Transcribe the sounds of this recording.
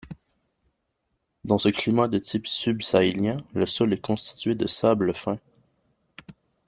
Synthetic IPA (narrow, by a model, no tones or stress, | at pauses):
d̪ɑ̃səklimad̪ət̪ipsybsaeljɛ̃ləsɔlɛkɔ̃st̪i̥t̪ɥed̪əsabləfɛ̃